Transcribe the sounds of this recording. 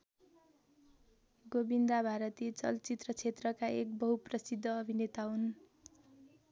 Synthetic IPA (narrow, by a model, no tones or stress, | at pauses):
ɡobind̪abʱaɾʌt̪it͡sʌlt͡sit̪rʌt͡sʰet̪rʌkaek̚bʌɦuprʌsid̪ʱːʌːbʱinet̪aɦun